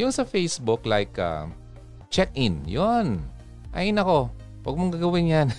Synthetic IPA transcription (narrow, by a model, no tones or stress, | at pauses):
jʊnsɐfejsbʊklajka̰ | t͡ʃɛk̚ʔɪnjon | ʔa̰ʔɪnɐko̞ | wɐɡ̚moŋɡaːɡɐwɪnjan